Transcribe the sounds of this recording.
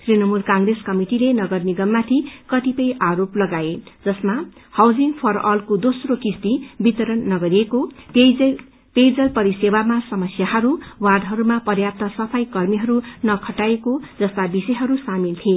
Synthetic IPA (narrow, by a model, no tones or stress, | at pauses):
srinʌmulkãŋɡreskʌmiʈilenʌɡʌrniɡʌmːat̪ʰikʌt̪ipʌjʔaɾoplʌɡaed͡zʌsmahawd͡ziŋɡpʰʌrʌlkod̪osrokist̪ibit̪ʌɾʌnːʌɡʌɾieko | pejd͡zʌlpʌɾisewamasʌmʌsjaɦʌɾuward̪ɦʌɾumapʌrjap̚t̪ʌsʌpʰʌjkʌrmiɦʌɾunʌkʰʌʈaekod͡zʌst̪abisejɦʌɾusamilt̪ʰie